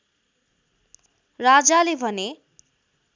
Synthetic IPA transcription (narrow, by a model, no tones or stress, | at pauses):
rad͡zalebʱʌne